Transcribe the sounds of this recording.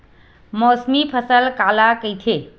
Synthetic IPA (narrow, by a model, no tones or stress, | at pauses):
mɔsmipʰəsəlkalakəjt̪ʰe